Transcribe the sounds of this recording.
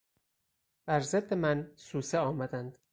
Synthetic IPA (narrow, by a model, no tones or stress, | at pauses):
b̥æɾzed̪ːe̞mænsuːseɒːmæd̪ænd̪̥